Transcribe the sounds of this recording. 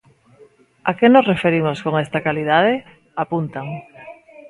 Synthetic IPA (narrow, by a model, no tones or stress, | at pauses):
akenosrefeɾimoskoŋest̪akaliðað̞e | apunt̪aŋ